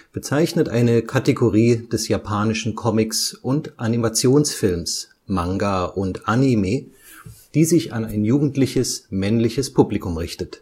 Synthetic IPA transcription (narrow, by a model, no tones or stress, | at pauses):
b̥ət͡saɪçnətʔa̰ɪnəkʰateɡoʁiːd̥ɛsjapʰaːnɪʃn̩kʰɔmɪksʔʊntʔanimat͡sjoːnsfɪlms | maŋɡaʔʊntʔanimeː | d̥iːzɪçanaɪnjuːɡŋ̩tlɪçəsmɛnlɪçəspʰublikʊmʁɪçtət